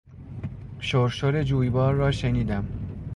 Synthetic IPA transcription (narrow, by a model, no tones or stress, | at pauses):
ʃoɾʃoɾe̞d͡ʒuːjbɒːɾːɒːʃeniːd̪æm